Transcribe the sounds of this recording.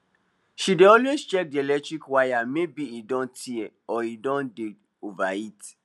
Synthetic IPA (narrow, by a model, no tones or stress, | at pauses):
ʃideɔlwest͡ʃɛk̚diɛlɛtɾikwajamebiidɔ̃ntiɛɔidɔ̃nde | ovait